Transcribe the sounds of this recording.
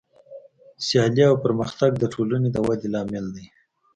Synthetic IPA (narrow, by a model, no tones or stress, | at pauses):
sjɑliawpəɾməxt̪aɡ̚d̪əʈʰolaned̪əwad̪elɑmɪld̪əj